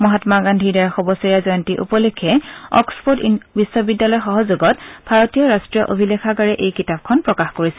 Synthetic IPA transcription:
mɔɦatmaɡandʱidaɹaxɔbɔsiɹazɔjɔntiʔṵpɔlekʰːɛɔ̰kspʰotbisɔbidːalɔjxɔɦɔzuɡɔt̚b̥ʱaɹotijɔɹastɹijɔʔobʱilekʰaɡaɹɛʔejkitab̚kʰɔnpɹɔkaxkoɹisɛ̥

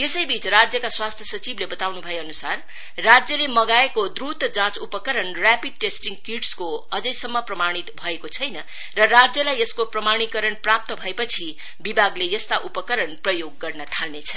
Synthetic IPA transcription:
esʌjbit͡srad͡zjʌkaswast̪ʰjʌsʌt͡siblebʌt̪awnubʱʌjeʌnusar | rad͡zjʌlemʌɡaekod̪rut̪d͡zãt͡supʌkʌɾʌnrjapid̚ʈesʈiŋɡkiʈskoʌd͡zʌjsʌmːʌprʌmaɽ̃it̪bʱʌekot͡sʰʌjnʌ | rʌrad͡zjʌlajeskoprʌmaɽ̃ikʌɾʌɳprap̚t̪ʌbʱʌepʌt͡sʰi | bibʱaɡlejʌst̪aʔupʌkʌɾʌnprʌjoɡːʌrnʌt̪ʰalnet͡sʰʌ

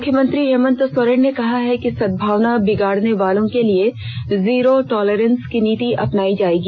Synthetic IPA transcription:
ʊkʰjəmɐ̃nt̪ɾiɦɛːmə̃nt̪əsɔɾəɽnekɐɦaɦɛkisɐd̪̚bʱaːʋnabɪɡaːɽneʋaːlõkelie | ziːɾoʈɔːleɾə̃nskiniːt̪iʔɐpnaːid͡ʒaːeːɡiː

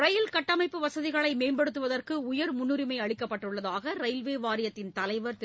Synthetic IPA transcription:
ɾɐjɪlkɐʈːɐmɐɪpːɯʋɐsɐðɪɣɐɭɐɪmeːmbɛɽɯt̪ːɯʋɐðɐrkɯʊjɐɾmʊnːɯɾɪmɐɪɐɭɪkːɐpːɐʈːɯɭːɐðaːɣɐɾɐjlʋeːʋaːɾɪjɐt̪ːɪnt̪ɐlɐɪʋɐɾt̪

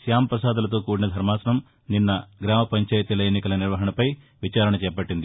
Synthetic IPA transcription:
sjaːmɐpɾɐsaːd̪ulɐt̪oːkuːɖnɐd̪ʱɐɾmaːsɐnɐm | ninːɐɡɾaːmɐpɐɲt͡ʃɐːjt̪ilɐjenːikɐlɐniɾʋɐɦɐnɐpɐj | ʋit͡ʃaːɾɐɳɐt͡ʃɛːpɐʈːind̪i

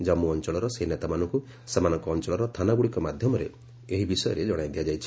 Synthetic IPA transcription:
d͡ʒamuɔnt͡ʃɔɭɔɾɔseɦinet̪amanɔ̃ŋku | semanɔŋkɔːnt͡ʃɔɭɔɾɔt̪ʰanaɡuɽikɔmad̪ʱjɔmɔɾḛ | eɦibisɔjɔ̰ɾed͡ʒɔɽ̃ajd̪ijad͡ʒajt͡ʃʰ

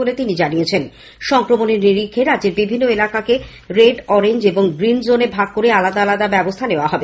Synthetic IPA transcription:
olet̪inid͡ʑanijet͡ɕʰen | ʃɔŋkɾomoneɾniɾikʰːeɾad̪d͡ʑeɾbibʱinːoelakake | ɾeɖɔɾeɲd͡ʑeboŋɡɾind͡ʑonebʱaɡ̚koɾealad̪aalad̪abɛbost̪ʰaneoaɦɔbe

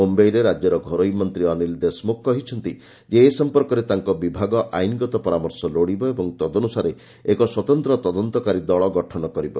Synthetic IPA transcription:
ombejɾeɾad͡ʒjɔɾɔɡʱɔɾoimɔnt̪ɾiɔnild̪esmok̚kɔɦit͡ʃʰɔnt̪i | d͡ʒeːsɔmpɔɾkɔɾet̪aŋkɔbibʱaɡɔʔajniɡɔt̪ɔpɔɾamɔɾsɔloɽibɔebɔŋt̪ɔd̪ɔnusaɾe | ekɔswɔt̪ɔnt̪ɾɔt̪ɔd̪ɔnt̪ɔkaɾid̪ɔɭɔɡɔʈʰɔnɔkɔɾibɔ̰

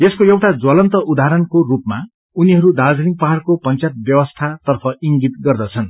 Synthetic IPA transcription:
eskoewʈad͡zwʌlʌnt̪ʌʔud̪aɦɾʌnkorupma | uniɦʌɾud̪ad͡zniŋpaɦarkopʌnt͡sat̪̚bjʌwʌst̪ʰat̪ʌrpʰʌiŋɡit̪ɡʌrd̪ʌt͡sʰʌn

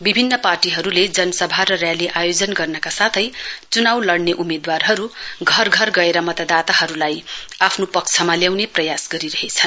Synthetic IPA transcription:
bibʱinːʌparʈiɦʌɾuled͡zʌnʌsʌbʱaɾʌrjaliʔajod͡zʌnɡʌrnʌkasat̪ʰʌjt͡sunawlʌɽneʔumed̪warɦʌɾuɡʱʌrɡʱʌrɡʌeɾʌmʌt̪ʌd̪at̪aɦʌɾulajapʰnopʌk̚t͡sʰʌmaljawneprʌjasɡʌɾiɾʌɦet͡sʰʌn

